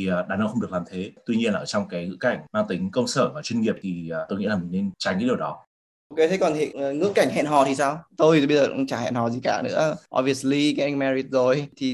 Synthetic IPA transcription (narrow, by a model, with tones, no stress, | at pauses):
i˨˩˨ɗaː˨˩nə˧wxə˧wŋ͡mɗɨ˨˩əklaː˨mt̪ʰe˨˦t̪wi˧ɲi˧ənaː˨əː˧˩t͡ɕɔ˧wŋ͡mkaː˨˦jŋɨ̰˧˥ka˧˩jŋ̟maː˧ŋt̪ï˨˦ŋ̟kə˧wŋ͡msəː˧˩vaː˨˩t͡ɕwi˧nŋi˨˩əp̚t̪ʰi˨˩˨t̪o˧jŋḭ˧˥laː˨˩mï˨˩ŋ̟ne˧nt͡ɕaː˧˩ŋɨː˨˦ɗi˨˩əwɗɔ˨˦ | ʔo˧ke˨˦t̪ʰe˨˦kɔ˨˩nt̪ʰḭ˧˨˩ŋɨ̰˧˥ka˧˩jŋ̟ɦɛ̰˧˨nɦɔ˨˩t̪ʰi˨˩saː˧wt̪o˧jɓə˧jzə̰ː˨˩˧t͡ɕaː˧˩hɛ̰˧˨nhɔ˨˩zi˨˩ka̰ː˧˩nɨ̰˧˥əʔɔ̰˧vi˧˩ə˩sli˧ka˨˦˧ŋmɛ˧ɹi˨˩t̚zo˨˩jt̪ʰi˨˩